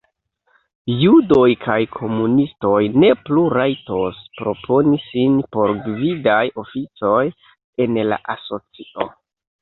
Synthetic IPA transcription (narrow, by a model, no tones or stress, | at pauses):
judo̞jkʰajkʰo̞munisto̞jne̞pluɾajto̞spɾo̞pʰo̞nisinpo̞ɾɡvidajo̞fit͡so̞j | e̞nla̰ʔaso̞t͡siʔo̞